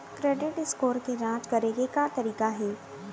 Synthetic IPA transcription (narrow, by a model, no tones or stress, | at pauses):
kɾeːɖɪʈɪskoːɾkeɾãːt͡ʃkɐɾeːɡekat̪ɐɾiːkaɦɛː